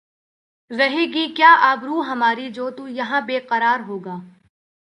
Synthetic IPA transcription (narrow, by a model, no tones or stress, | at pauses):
zɐɦiːɡikjaːʔaːbɾuːɦɐmaːɾid͡ʒoːt̪ujɐɦãbeːqɐɾaːɾɦoːɡaː